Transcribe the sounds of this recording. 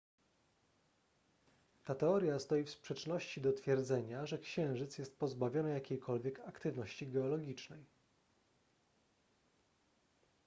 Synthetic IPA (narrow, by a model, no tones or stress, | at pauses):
t̪at̪ɛɔɾʲjast̪ɔjifspʂɛt͡ʂnɔɕt͡ɕid̪ɔt̪fʲjɛɾd̪zɛɲaʐɛkɕɛ̃w̃ʐɘt̪sjɛst̪̚pɔzbavʲjɔnɛjakʲejkʰɔlvʲjɛkakt̪ɘvnɔɕt͡ɕiɡɛɔlɔɡʲit͡ʂnɛj